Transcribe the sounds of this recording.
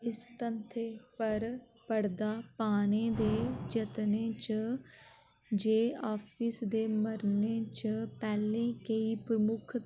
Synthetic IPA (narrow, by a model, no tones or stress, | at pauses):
ɪst̪ənt̪ʰeːpəɾ | pəɽd̪aːpaːñeːd̪eːd͡ʒət̪neːt͡ʃ | d͡ʒeːaːpʰiːsd̪eːməɾneːt͡ʃəpɛːlẽːkəiːpɾəmʊkʰ